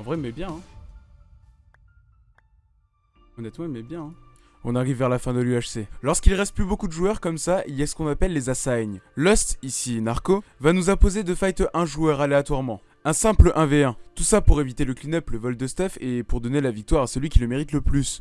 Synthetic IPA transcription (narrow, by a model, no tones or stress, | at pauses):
ɑ̃vʁɛmɛbjɛ̃ɛ̃ | ɔnɛt̪mɑ̃mɛbjɛ̃ | ɔ̃naʁivːɛʁlafɛ̃d̪əlyaʃselɔʁskilʁɛst̪̚plybokud̪əʒuœʁkɔmsailjasə̥kɔ̃napɛlːezasajɲlɔst̪isinaʁkovanuzɛ̃pozed̪əfajt̪ʔɛ̃ʒuœʁaleat̪waʁmɑ̃ | ɛ̃sɛ̃pləʔɛ̃veɛ̃t̪usapuʁevit̪eləklinœpləvɔld̪əst̪afepuʁd̪ɔnelavik̚t̪waʁasəlɥikʲiləmeʁit̪ləplys